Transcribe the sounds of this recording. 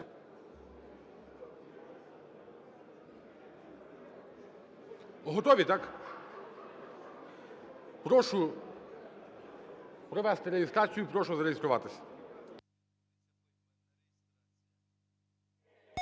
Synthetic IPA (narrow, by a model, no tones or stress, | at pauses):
ɦɔt̪ɔʋʲit̪ɑk | pɾɔʃʊ | pɾɔʋɛst̪ɪɾeist̪ɾɑt͡sʲijʊpɾɔʃʊzɐɾejist̪ɾʊʋɑt̪ɪsʲɐ̥